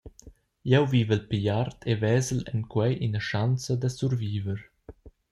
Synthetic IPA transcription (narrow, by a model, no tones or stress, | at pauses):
jɛwviːvəlpijaɾt̪ʰevɛːzəlɛ̰nkwɛjʔinəʃant͡səd̪əsuɾviːvəɾ